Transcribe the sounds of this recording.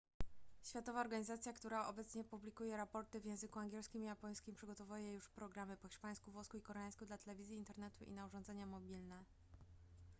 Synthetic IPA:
ɕfʲjat̪ɔvaɔɾɡaɲizat̪sʲjakt̪uɾaʔɔbɛt̪sɲɛpublʲikujɛɾapɔɾt̪ɘvjɛ̃w̃zɘkuaŋɡʲjɛlskʲimijapɔj̃skʲimpʂɘɡɔt̪ɔvujɛjuʂpɾɔɡɾamɘpɔxʲiʂpaj̃skuvɔskuikɔɾɛjaj̃skud̪lat̪ɛlɛvʲizjiːnt̪ɛɾnɛt̪uʔḭnauʐɔ̃nd̪zɛɲamɔbʲilnɛ

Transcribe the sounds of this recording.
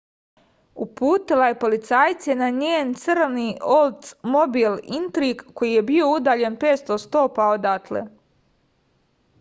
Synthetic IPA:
upuːt̪ilajepo̞lit̪saːjt̪senaɲeːnt̪srniolˠt̪smobilint̪ɾiɡko̞jije̞bio̞ud̪aːʎe̞npeːt̪st̪ost̪o̞ːpao̞d̪at̪lḛ

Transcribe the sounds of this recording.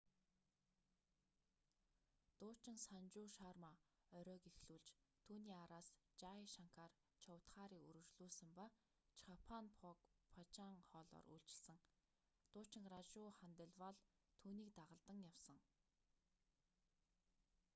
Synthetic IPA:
t̪ʊːt͡ɕɪ̆ŋsant͡ɕʊːʃaːrma | œɾʲœːkixɮuːɮt͡ɕt̪ʰuːniːaɾaːst͡ɕaiʃaŋkʰar | t͡ɕʰawʰt̪χaːɾiːkṵɾɘ̆t͡ɕɮuːsə̆mpa | t͡ɕʰχapʰanpʰɔkpʰat͡ɕaːŋχɔːɮɔ̰ːrṵːɮt͡ɕɪ̆ɮsə̆ŋ | t̪ʊːt͡ɕɪ̆ŋrat͡ɕʊːχant̪ə̆ɮwaɮt̪ʰuːniːkt̪aʁə̆ɮt̪ə̆ŋjawsə̆ŋ

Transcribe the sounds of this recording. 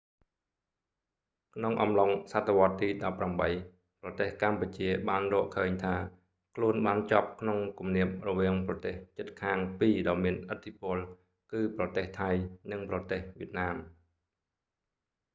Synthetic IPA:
kʰnoŋʔɑmloŋsat̪ʰːeʋŏət̪ːiːɗɑpːramɓəj | prɑt̪eːhkamput͡ɕiəɓaːnrɔːʔkʰəːɲt̪ʰaː | kʰluənɓaːnt͡ɕap̚kʰnoŋkumniəp̚rɔʋiəŋprɑt̪eːht͡ɕət̪̚kʰaːŋpiːɗaɔmiənʔət̪ʰːipʊ̆əl | kɨːprɑt̪eːht̪ʰajnɨŋprɑt̪eːhʋiət̪̚naːm

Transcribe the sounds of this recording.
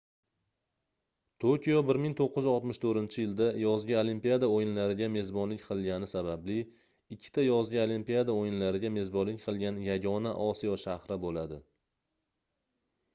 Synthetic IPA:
t̪ʰokʲijɒbɪɾmɪŋt̪ʰoqːɨzɒlˠt̪mɪʃt̪ʰɵɾɪnt͡ʃʰɪjɪld̪ajɒzɡʲaolimpijad̪aojɪnlaɾɪɡʲame̞zbɒnlɪkʲqʰɨlˠɡʲanɪsabablɪ | ɪkʲʰːɪ̥t̪ʰajɒzɡʲaolimpijad̪aojɪnlaɾɪɡʲame̞zbɒnlɪkʲqʰɨlˠɡʲanjaɡʲɒnaʔɒsijɒʃahɾɪbolad̪ɪ

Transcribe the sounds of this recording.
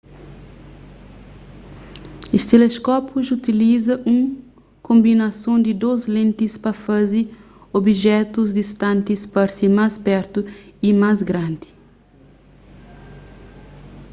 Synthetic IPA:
est̪eleskɔpuzut̪ilizɐʔũ | kõmbinɐsõnd̪id̪ozlẽnt̪ispɐfazi | obiʒɛt̪uzd̪ist̪ãnt̪ispɐɾsimaspɛɾt̪uimazɡɾãnd̪i̥

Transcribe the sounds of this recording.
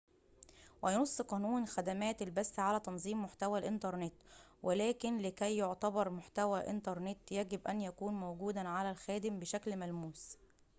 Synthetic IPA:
wɪjnosˤːqɑːnuːnxæd̪æmæːt̪ɪlbæsːʕalæt̪ɑnzˤiːmːoħt̪æwælʔɪnt̪ɑɾˤnet̪wʔɪlæːkɪnlɪkæjːoʕt̪ɑbɑɾˤmʊħt̪æwæʔɪ̰nt̪ɑɾˤnet̪jæɡɪbʔænjækuːnmowɡuːd̪æʕalælxæːd̪ɪmbɪʃæklmælmuːs

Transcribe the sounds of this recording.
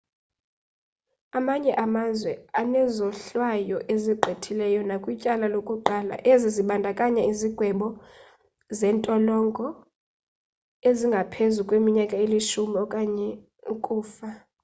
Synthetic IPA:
amaɲɛʔamazwɛanɛzɔɬwajɔʔeziɡ͡ǃʱetʰilɛjɔnakʼwicʼalalokʼuǃala̰ʔeziziɓandʱakʼaɲɛiziɡ̥ʱwɛɓɔ | zɛːntʼɔlɔŋɡʱɔ | eziŋɡʱapʰezukʼwemiɲakʼaeliʃumɔkʼaɲɛ | ukʼuːfa

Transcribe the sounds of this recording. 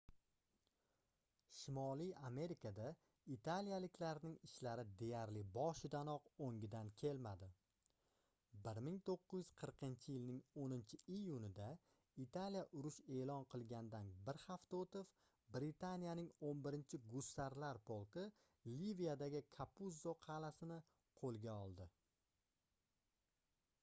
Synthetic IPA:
ʃɪmɒlijame̞ɾɪkʰad̪a | it̪ʰalijalɪkʲʰlaɾnɪŋɪʃlaɾɪd̪e̞jaɾlɪbɒʃɪd̪anɒqoŋʲɪd̪ankʲʰe̞lmad̪ɪ | bɪɾmɪŋt̪ʰoqːɨzjɪz̥qʰɨɾqʰɨnt͡ʃʰɪjɪlnɪŋonɪnt͡ʃʰɪijʊnɪd̪a | it̪ʰalijaʔʊɾʊʃe̞ːlɒnqʰɨlˠɡʲand̪anbɪɾχaft̪aot̪ɪf | bɾɪt̪ʰanijanɪŋonbɪɾɪnt͡ʃʰɪɡʊst̪ːaɾlaɾpʰolˠkɪ | livijad̪aɡʲɪkʰapuzoqʰɑlasɪnɪ | qʰolˠɡʲaɒlˠd̪ɪ

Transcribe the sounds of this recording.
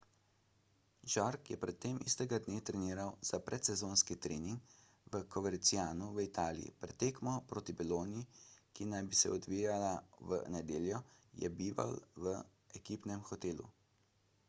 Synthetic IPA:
ʒaɾkjɛpɾɛt̪ːeːmist̪ɛɡad̪neːt̪ɾɛniːɾawz̥apɾʔɛt̪sɛzoːnskit̪ɾeːniŋk | ʋəkɔʋɛɾt̪sijaːnuʋəit̪aːlḭjḭpɾɛt̪ːeːkmɔpɾoːt̪ibɛloːnijikinajbisɛɔd̪ʋiːjalaʋə̰nɛd̪eːljɔjɛ̰biːʋa̰lʋə | ɛkiːpnɛmxɔt̪eːlṵ

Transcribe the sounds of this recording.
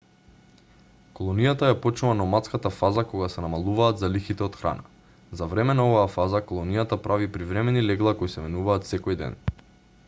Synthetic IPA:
kolˠɔnijat̪ajapɔt͡ʃnuvanɔmat̪skat̪afazakoɡasɛnamalˠuvaːt̪zalixit̪ɛot̪xɾa̰na | zavɾɛmɛnaovaːfazakolˠɔnijat̪apɾavipɾivɾɛmɛnilɛɡlˠakojsɛmɛnuvaːt̪sɛkɔjd̪ɛ̰n

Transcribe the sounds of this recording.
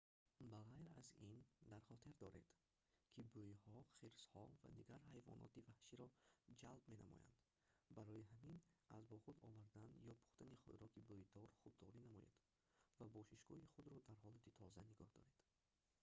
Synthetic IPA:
baʁajɾa̰zind̪aɾχɔt̪ʰiɾd̪ɔɾed̪̥ | kʰibojhɔχiɾshɔva̰d̪iɡaɾhajvɔ̰nʔɔ̰t̪ivahʃiɾɔd͡ʒalbme̞na̰mɔ̰ja̰nd̪̥ | baɾɔjiɦaminazbɔχud̪ɔvaɾd̪anjɔpʰu̥χt̪aniχṵd̪ɾɔkibojd̪ɔɾχub̪̚d̪ɔɾinamɔjḛd̪̥ | vabɔʃiʃɡ̥ɔ̰hiχud̪ɾɔd̪aɾɦɔlat̪ʰit̪ʰɔzaniɡɔhd̪ɔ̰ɾe̞d̪̥

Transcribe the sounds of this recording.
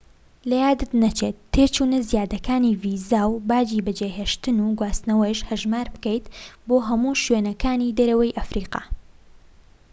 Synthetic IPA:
lɐjaːd̪ɨt̪nɐt͡ʃet̪ʰːet͡ʃuːnɐzjaːd̪ɐkaːniːviːzaːwbaːd͡ʒibɐd͡ʒeɦeːʃt̪ɨnuːɡwaːst̪nɐwɐjʃhɐʒmaːɾbɨkɛjt̪boːɦɐmuːʃɥenɐkʰaːnid̪ɐɾɐwɐjʔɐfɾiːqɑ̰ː

